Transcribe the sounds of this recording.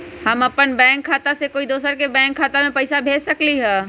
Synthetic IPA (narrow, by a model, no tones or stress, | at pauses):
hɐmɐpənbɛ̃ːŋkʰːaːt̪asekoːid̪oːsəɾkebɛ̃ːŋkʰːaːt̪amẽpɐɪsabʱeːd͡ʒsɐkliɦɛː